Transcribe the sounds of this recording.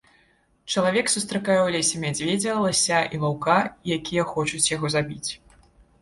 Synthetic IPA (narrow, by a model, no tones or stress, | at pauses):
t͡ʂɐlˠavʲɛksust̪ɾɐkajɛwlʲɛsʲɛmʲad͡zʲvʲɛd͡zʲɐlˠɐsʲaʔilˠawkajakʲʰijɐxɔt͡ʂut͡sʲjaɣɔzabʲit͡sʲ